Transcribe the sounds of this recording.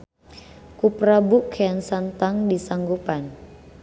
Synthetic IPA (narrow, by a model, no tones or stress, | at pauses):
kuprabukʰeansant̪aŋdisaŋɡupan